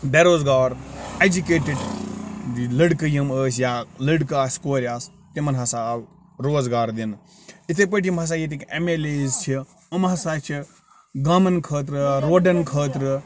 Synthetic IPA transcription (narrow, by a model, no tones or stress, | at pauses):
d̪eɾoːzɡaːɾed͡ʒukeːʈiɖ̪ | iləɽkɨjɐməːsʲjaləɽkaːsʲkoːɾʲaːs | t̪imɐnɦɐsal | ɾoːzɡaːɾd̪in | it̪ʰep̬əʈʰimɦɐs̬aːjet̪ikemeːlezt͡ʃʰi | ɐmɦɐsaːt͡ʃʰi | ɡaːmɐnkʰəːt̪ɾɨɾoːɖɐnkʰəːt̪ɾɨ